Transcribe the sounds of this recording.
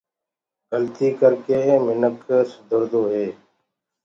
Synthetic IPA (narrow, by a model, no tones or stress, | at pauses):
ɡəlt̪iːkəɾkeːmɪnəksəd̪ʱəɾd̪oːɦeː